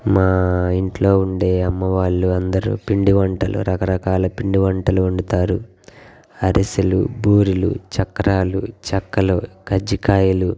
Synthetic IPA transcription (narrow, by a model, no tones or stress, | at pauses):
maːiɳʈlo̞ːuɳɖeːɐmːɐʋaːɭːuɐnd̪ɐɾṵːpiɳɖiʋɐɳʈɐlṵɾɐkɐɾɐkaːlɐpiɳɖiʋɐɳʈɐluuɳɖɐt̪aːɾu | ɐɾisilṵbuːɾilṵt͡ʃɐkːɐɾaːlut͡ʃɐkːɐloːkɐd͡ʒikaːjɐlu